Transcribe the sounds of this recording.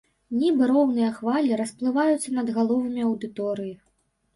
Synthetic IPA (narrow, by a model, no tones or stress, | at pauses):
nʲibɨɾɔwnɨjɐxvalʲiɾɐsplˠɨvajut̪sːɐnɐd̪ɣalˠɔvɨmʲiɐwd̪ɨt̪ɔɾɨji